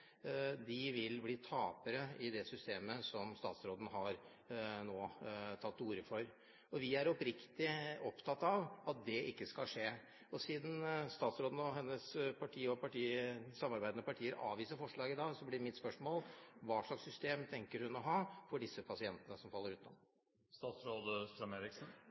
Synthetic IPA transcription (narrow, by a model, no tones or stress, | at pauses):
d̪ɪʋɪlbliːt̪ʰɑːpəɾəɪd̪ɛsʏst̪eːməsɔmst̪ɑ̰ːt̪sɾoːd̪ən̩ɦɑɾ | noːt̪ʰɑt̪ːuːɾəfɔɾ | ɔʋɪæɾɔpɾɪkt̪ɪɔpt̪ʰɑt̪ːɑʋɑt̪̚d̪ɛʔɪkːəskɑlʂeː | ɔsiːd̪n̩st̪ɑːt̪sɾoːd̪n̩ɔɦɛnːəspʰɑʈʰiːɔpɑʈiːsɑmːɑɾbæɪd̪ənəpɑʈʰiːəɾʔɑ̰ːʋiːsəɾfɔʂɭɑːɡɪd̪ɑːɡsɔblɪmɪt̪spœʂmoːlʋɑːʂɭɑksːʏst̪eːmt̪ʰɛŋkəɾhʉnɔɦɑːfɔɖɪsːəpʰɑsɪɛnt̪ənəsɔmfɑlːəɾʉːt̪nɔ̰ | st̪ɑːt̪sɾoːd̪əssɑmeːɾɪksn̩